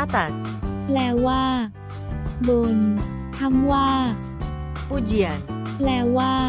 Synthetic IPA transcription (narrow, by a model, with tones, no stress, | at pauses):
a˦t̪as | lɛː˧waː˥˩ | bo˨˩n | t̪ʰa˥mwaː˥˩ | pu˦d͡ʒi˨an | lɛː˧waː˥˩